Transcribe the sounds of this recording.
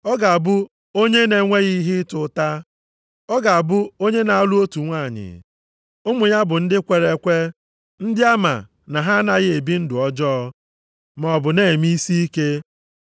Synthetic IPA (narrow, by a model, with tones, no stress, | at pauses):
ɔ˦ɡa˨a˨bʊ˦ | o˦ɲe˦ne˨ŋʷe˦ɣi˦ɦɪ˦tʊ˨˦ta˦ | ɔ˦ɡa˨a˨bʊ˦o˦ɲe˦na˨a˦lu˦o˦tu˨ŋʷa˦˨ɲɪ̰˨ | ʊ˦mʊ˨ɲa˦bʊ˨n̩˦dɪ˦kʷe˨ɾe˨˦kʷe˦ | n̩˦dɪ˦a˦ma̰˨ | na˨ɦa˦na˦ɣɪ˦e˨bi˦n̩˦dʊ˨ɔ˦d͡ʒɔ˦ɔ˦ | m˨ɔ˨bʊ˨ne˦˨mi˦si˦i˦ke˦